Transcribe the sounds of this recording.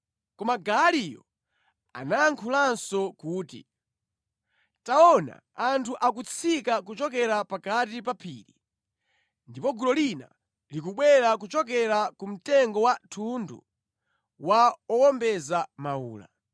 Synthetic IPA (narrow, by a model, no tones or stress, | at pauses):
kɔmaɡalijɔ̰ | a̰najaŋkʰulansɔkuːtḭ | taɔna̰ | antʰuʔakut͡sʰikakut͡ʃɔk̬ɛɾapakatipapʰiːɾi | ndipɔɡulɔlina̰ | lik̬uɓwɛɾak̬ut͡ʃɔk̬ɛɾakum̩tɛŋɡɔwatʰundṵ | waɔwɔmbɛzamauːla̰